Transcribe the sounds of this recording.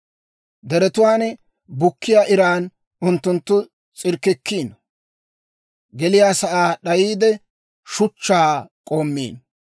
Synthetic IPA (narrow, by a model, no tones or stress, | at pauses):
d̪ɛɾɛt̪ʊwaːn | bʊkːɪjaːʔɪɾaːn | ʊnt̪ːʊnt̪ːʊ | t͡sʼɪɾkːɪkʰːiːn | ɡɛlɪjaːsɐʔaːɗɐjiːd̪ɛ | ʃʊt͡ʃːaːkʼoːmːḭːn